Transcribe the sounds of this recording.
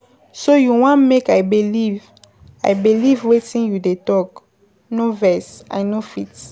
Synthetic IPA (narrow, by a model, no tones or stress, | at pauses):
sojuwɔ̃nmekajbiliv | a̰jbilivwetĩnjudetɔk | novɛsã̰nofit